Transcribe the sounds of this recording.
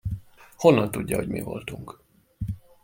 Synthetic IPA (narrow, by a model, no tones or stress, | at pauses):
ho̞nːɒnt̪udːɒho̞ɟmḭvo̞̰lt̪uŋk